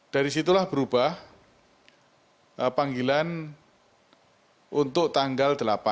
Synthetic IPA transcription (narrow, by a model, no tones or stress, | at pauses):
d̥aɾisit̪ulahb̥əɾub̥ah | paŋɡilan | unt̪ʊʔt̪aŋɡald̪̥əlapan